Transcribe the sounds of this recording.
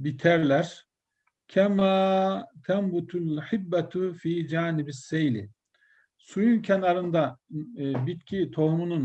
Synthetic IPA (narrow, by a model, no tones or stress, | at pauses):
bit̪ʰæɾlʲæɾ̥ | cʰɛmaːt̪ʰæmbut̪ʰulħɪbːat̪fiːd͡ʒaːnibisːejlɪ | sujuncʰɛnaɾɯnd̪a | bit̪̚cʰit̪ʰo̞hmunun